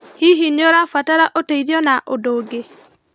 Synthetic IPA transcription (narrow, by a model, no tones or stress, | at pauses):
hiɦiɲoɾafataɾaʔoteiðɔnaʔodoːɡe